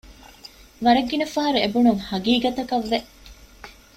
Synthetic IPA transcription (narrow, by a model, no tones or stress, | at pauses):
ʋɐɾɐɡːinɐfɐɦɐɾuebunuŋhɐɡiːɡɐt̪ɐkɐʋːeʔ